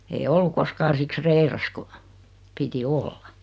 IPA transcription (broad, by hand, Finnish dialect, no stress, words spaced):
ei olːu koskɑːn̞ siks reirɑs ku piti olːɑ